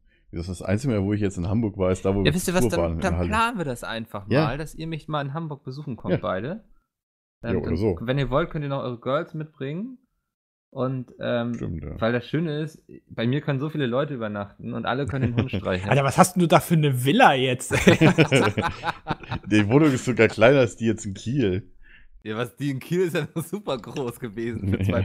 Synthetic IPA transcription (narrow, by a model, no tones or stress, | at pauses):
dasdasʔa̰ɪnt͡sɪɡavoːɪçjɛt͡stɪnhambʊɐkv̥aɐɪsd̥aːvoːjaːvɪstiːɐvavaːndahalaːnən̩viɐdasʔa̰ɪnfaχmjaːld̥asʔiːɐmɪçmaːlɪnɦambʊɐk̚b̥əzuːxn̩kʰɔjt̚b̥a̰ɪɾə | ʔɛmːodɐzo̰ːvɛniːɐvɔlt̚kʰœntiːɐnɔχʔɔ̰ʏʁəɡœɐlsmɪt̚b̥ʁɪŋən | ʔʊntʔɛːmtɪ̰mta̰ːvaɪldasʃøːnəɪstb̥aɪmiːɐkʰœnənzoːfiːləlɔʏtəyːbɐnaχtn̩ʊ̰ntʔa̰ləkʰœnəndenntʃʁ̥aɪçnatavashasd̥uduːdaːfyːɐnəvɪlɐjɛt͡s | divoːnʊŋɪstz̥oɡaːɐkl̥aɪnɐasd̥iːjɛt͡stn̩kʰiːl | jaːvasd̥iːɪnkʰiːlɪsd̥anɔχz̥uːpɐɡʁoːsɡ̥əveːzn̩n̩aɪ